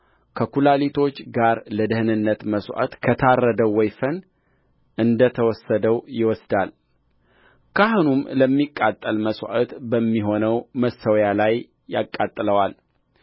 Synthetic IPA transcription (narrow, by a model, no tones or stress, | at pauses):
kʰəkulalit̪ʰo̞t͡ʃːɡaɾləd̪ɨhɨnɨnːət̪məswʷʔə̰t̪kʰət̪ʰarːəd̪əwːɔjfən | ʔɨnd̪ət̪ʰəwɔsːəd̪əwjɪwɔsd̪al | kʰahunumləmːikʼːat̪ʼːəlməswʔət̪bəmːiɦo̞nəwməsːəwjalajː | a̰kʼːat̪ʼːɨləwal